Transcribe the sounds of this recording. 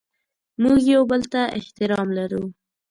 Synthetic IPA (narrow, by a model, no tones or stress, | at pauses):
muɡjawbəlt̪aʔɪht̪ɪɾɑmlaɾu